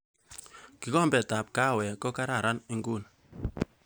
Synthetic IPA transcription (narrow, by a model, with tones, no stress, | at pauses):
ki˨˦kɔ˦mbɛ˨ta˨p̚ka˦˨wɛ˨kɔ˦ka˦ɾa˨ɾa˦nɪ˦ŋɡu˦˨n